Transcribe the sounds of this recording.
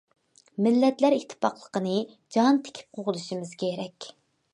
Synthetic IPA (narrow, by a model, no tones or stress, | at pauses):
mɪlːɛt̪læɾikt̪ʰɪ̥pɑχlˠəqənɨ | d͡ʒɑnt̪ʰe̥kʲʰi̥p̚qʰoʁʊluʃimɨzkʲʰeɾɛkʲ